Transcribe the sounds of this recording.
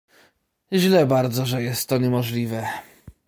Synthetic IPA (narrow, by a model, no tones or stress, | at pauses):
ʑlɛbaɾd̪zɔʐɛjɛst̪ːɔɲɛmɔʐlʲivɛ